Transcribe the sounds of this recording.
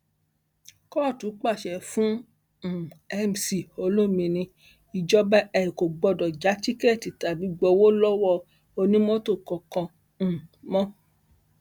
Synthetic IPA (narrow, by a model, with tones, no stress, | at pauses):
kɔ˦a˦˨tu˨˦k͡pa˦˨ʃɛ˨fũ˦˨ | ɛ˧m˨si˨o˧lo˦mĩ˧˨nĩ˧ | i˨d͡ʒɔ˦bɛ˦ɛ˧ĩ˨ko˨ɡ͡bɔ˧dɔ˨d͡ʒa˨˦t͡ʃi˦kɛ˦ɛ˦˨ti˨ta˨bi˨˦ɡ͡bɔ˧wo˦lɔ˦wɔ˦˨ | o˧nĩ˦mɔ̃˦to˦˨kɔ̃˨kɔ̃˧˨ | mɔ̃˦